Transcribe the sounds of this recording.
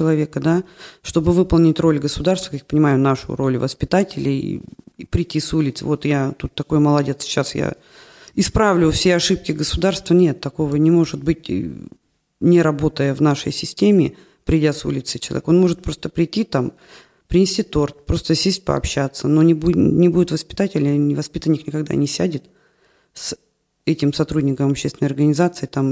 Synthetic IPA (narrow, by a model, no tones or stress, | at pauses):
t͡ɕɪlˠɐvʲe̞kəd̪aʂt̪o̞bɨvɨpəlˠnʲɪtʲro̞lʲɡəsʊd̪arst̪vəkakjapənʲɪmajʊnaʂʊ̰ro̞lʲvəspʲɪt̪atʲɪlʲɪ̰ipɾʲɪtʲːisulʲɪt̪sɨ̰vo̞t̪jat̪ut̪ːɐko̞jməlˠɐdʲe̞t̪sɕa̰sja̰ | ɪspɾavlʲʊfsʲeɐʂɨp̚kʲɪɡəsʊd̪arst̪vənʲe̞t̪ːɐko̞vənʲɪmo̞ʐɨt̪̚bɨtʲ | nʲɪɾɐbo̞t̪əjəvnaʂə̰jsʲɪsʲtʲemʲɪ | pɾʲɪdʲasṵlʲɪt̪sɨ̥t͡ɕɪlˠɐvʲeko̞nmo̞ʐɨt̪̚pɾo̞st̪əpɾʲɪjtʲːit̪am | pɾʲɪnʲɪsʲtʲit̪o̞rt̪̚pɾo̞st̪əsʲesʲt̚ʲpə̰ɐ̰pɕːat̪sːənonʲɪbunʲɪbudʲɪt̪vəspʲɪ̥t̪atʲɪlʲnʲɪvɐspʲit̪ənʲɪxnʲɪkɐɡd̪a̰nʲɪsʲædʲɪt̪ | s | ɛtʲɪmsɐt̪ɾudʲnʲɪkəmɐpɕːest̪vɪnəjɐrɡənʲɪzat̪sɨt̪am